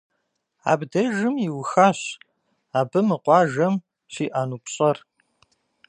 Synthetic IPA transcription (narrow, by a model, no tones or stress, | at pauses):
a̰ːbdɐʒɨmjɪwxaːɕ | aːbɨmɨqʷɑːʒɐm | ɕiːʔanuːpɕʼɐr